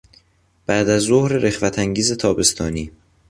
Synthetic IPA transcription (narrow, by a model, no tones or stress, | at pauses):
b̥æʔd̪æzːohɾeɾexvæt̪ʰæŋɟiːze̞t̪ʰɒːbe̞st̪ʰɒːniː